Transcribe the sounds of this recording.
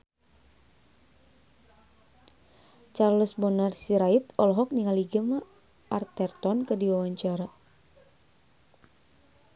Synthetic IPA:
t͡ʃarlusbɔnarsiɾait̪ɔlɔɦɔk̚niŋaliɡəma | ʔːrt̪ɛrt̪ɔnkədiwawaɲt͡ʃaɾa

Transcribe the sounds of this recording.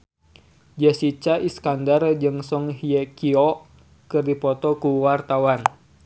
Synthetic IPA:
d͡ʒasit͡ʃaʔiskandard͡ʒɨŋsɔŋɦiɛkiɔʔ | kɨrdipɔt̪ɔkuwart̪awan

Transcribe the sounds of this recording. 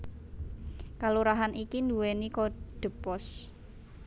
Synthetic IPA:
kaluɾaɦanikind̪uwenikoɖ̥ə̤pɔs

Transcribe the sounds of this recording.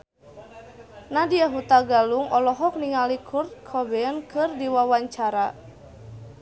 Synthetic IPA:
nadiaɦut̪aɡaluŋɔlɔɦɔk̚niŋalikʰurt̪̚kʰɔbɛnkɨrdiwawaɲt͡ʃaɾa

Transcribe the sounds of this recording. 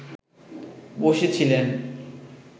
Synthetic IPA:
boʃet͡ɕʰilen

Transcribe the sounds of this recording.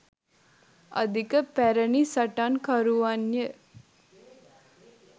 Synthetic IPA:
ə̰d̪ikəpæɾənisɐʈankaɾuʋanjə

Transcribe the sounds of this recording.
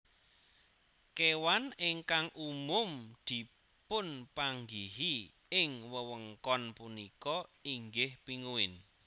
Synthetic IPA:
kewanɪŋkaŋʔumʊmd̪̥i̤ | pʊnpaŋɡiɦi | ɪŋwəwəŋkɔnpunikɔiŋɡɪhpiŋuwɪn

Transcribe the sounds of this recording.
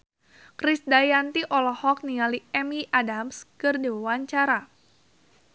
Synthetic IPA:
kɾisdajant̪iʔɔlɔhɔk̚niŋaliɛmiʔadamskɨrdiwiwaɲt͡ʃaɾa

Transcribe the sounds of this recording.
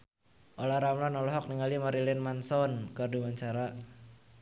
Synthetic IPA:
ʔolaɾamlɔnɔlɔɦɔk̚niŋalimɔɾilɛnmansɔnkardumaɲt͡ʃaɾa

